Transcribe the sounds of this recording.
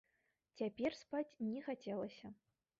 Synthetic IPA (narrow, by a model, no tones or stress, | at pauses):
t͡sʲapʲɛrspat͡sʲnʲɛxat͡sʲɛlˠɐsʲɐ